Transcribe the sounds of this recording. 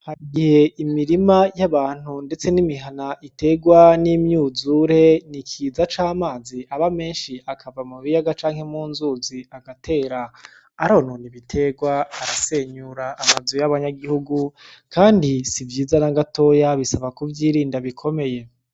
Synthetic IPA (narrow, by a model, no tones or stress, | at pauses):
haɾiɡihe̞imiɾimajaβaːn̥hunde̞t͡se̞nimiɦanaʔite̞ɡwanimɲuːzuɾe̞nikʰiːzat͡ʃaːmaːziʔaβame̞ːnʃiʔakʰavamuβijaɡat͡ʃaːŋhe̞muːnzuːziaɡatʰe̞ːɾaː | ɾononiβitʰe̞ɡwaaɾase̞ːɲuɾaːmazujaβaɲaɡihuɡu | kaːndisivjiːzanaɡato̞ːjaβisaβakuvjiːɾiːndaβikʰo̞me̞je̞